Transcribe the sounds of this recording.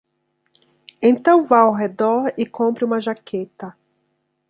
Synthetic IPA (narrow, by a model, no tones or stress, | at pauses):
ẽnt̪ɐ̃w̃vajawɦed̪ɔɾɪkʰõpɾɪũmɐʒakʰet̪ɐ